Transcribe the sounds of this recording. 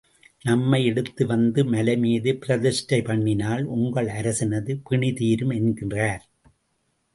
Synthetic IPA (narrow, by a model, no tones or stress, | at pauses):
nɐmːɐɪɛɽɯt̪ːɯʋɐnd̪ɯmɐlɐmiːðɯpɪɾɐðɪsʈɐɪpɐɳːɪnaːlʔʊŋɡɐɭɐɾɐsɪnɐðɯpɪɳɪt̪iːɾɯmɛnɡɪndraːɾ